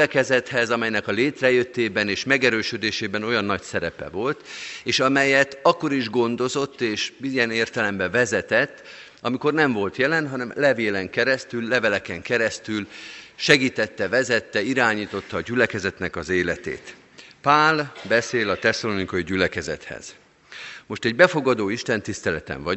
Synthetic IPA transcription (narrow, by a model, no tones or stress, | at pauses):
ɛkɛzɛt̪hɛzɒmɛjnɛkɒleːt̪rɛjøt̪ːeːbɛneːʃmɛɡɛɾøːʃød̪eːʃeːbɛno̞jɒnːɒcsɛɾɛpɛ̰vo̞lt̪eːʃɒmɛjɛt̪ɒkːo̞ɾiʒɡo̞nd̪o̞zo̞t̪ːeːʃbijɛneːrt̪ɛlɛmbɛvɛzɛt̪ɛt̪ː | ɒmiko̞rnɛɱvo̞lt̪jɛlɛnɦɒnɛmlɛveːlɛŋkɛɾɛst̪ylːɛvɛlɛkɛŋkɛɾɛst̪ylʃɛɡiːt̪ɛt̪ːɛvɛzɛt̪ːɛiɾaːɲiːt̪o̞t̪ːɒːɟylɛkɛzɛt̪nɛkɒzeːlɛt̪ḛːt̪ | paːlbɛseːlɒt̪ɛsɒlonikoiɟylɛkɛzɛ̰t̪hɛ̰z̥ | mo̞ʃt̪ɛɟbɛfo̞ɡɒd̪oːiʃt̪ɛnt̪ist̪ɛlɛt̪ɛ̰ɱvɒ